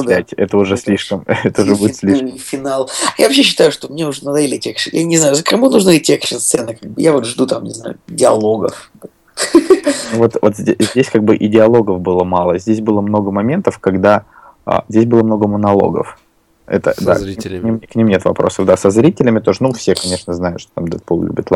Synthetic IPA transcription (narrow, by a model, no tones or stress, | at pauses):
ætʲɛt̪əʊʐɛsʲlʲiʂkəmɛt̪əʊʐɛbudɪt̪sʲlʲiʂfʲɪnalˠjavɐpɕ̬ːeɕːɪ̥t̪ajʊʂt̪omnʲeʊʐnɐd̪aɪlʲɪtʲekʂjanʲɪznajʊzəkɾɨmunuʐnɨtʲekʂɨnssɛnɨkaɡ̚bɨjavot̪ʐd̪ut̪amnʲɪ̰zna̰jʊ̰dʲɪɐlˠoɡə̰f | nuvo̞t̪vo̞t̪zʲezʲdʲesʲkaɡ̚bɨʔɪdʲɪɐlˠo̞ɡəfbɨlˠəmalˠəzʲdʲes̬ʲbɨlˠəmnoɡəmɐmʲe̞nt̪əfkɐɡd̪a | ə̰zʲdʲesʲbɨlˠəmno̞ɡəmənɐlˠo̞̰ɡə̰f | ɛ̰t̪ə̰d̪a̰kinʲimknʲimnʲet̪vɐ̰pɾo̞səvd̪asɐzɾʲitʲɪlʲɪmʲɪt̪o̞ʐənufsʲekɐnʲe̞ʂnəznajʊt̪ʂt̪ot̪amd̪ot̪̚polˠlʲṵbʲət̪lˠ